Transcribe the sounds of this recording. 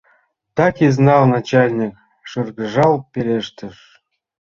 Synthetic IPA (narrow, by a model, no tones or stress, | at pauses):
t̪ɑkʲiznɑlnɑt͡ɕɑlʲnʲik | ʂɤrɣə̆ʐɑlˠpʲelʲeʂt̪ɘ̆ʃ